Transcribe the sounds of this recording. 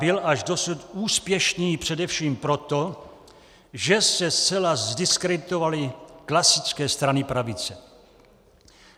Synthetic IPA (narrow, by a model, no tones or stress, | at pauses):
bɪlaʒdo̞sut̪uːspjɛʃniːpr̝̥ɛdɛfʃiːmpɾo̞t̪o̞ | ʒɛsɛst͡sɛlazdɪskɾɛdt̪ovalɪklasɪt͡skɛːst̪ɾanɪpɾavɪt͡sɛ